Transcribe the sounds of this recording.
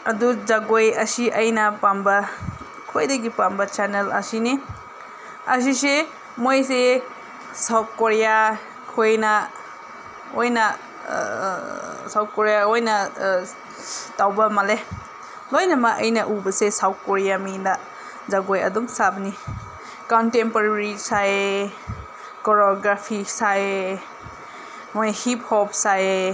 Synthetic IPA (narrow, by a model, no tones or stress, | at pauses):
ɐduzaɡojɐsiʔɐjnɐpambɐ | kʰojdɐɡipambɐt͡ʃanelɐ̰sini | ɐs̬ise | mojs̬e | sawp̚koɾija | kʰojnɐ | ojnɐ | saw̚koɾijaojnɐ | tawbɐmale | lojnamaʔə̰jnaʔubɐsesaw̚kɔɾijamina | zaɡojɐ̰duŋsabni | kɔntempaɾɾisae | kɔɾɔɡɾapʰisae | mojhip̚hɔp̚sae